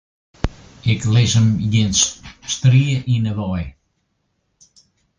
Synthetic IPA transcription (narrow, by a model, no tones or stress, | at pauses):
ɪklɪsəmjɪnsstriəʔinəʋɔj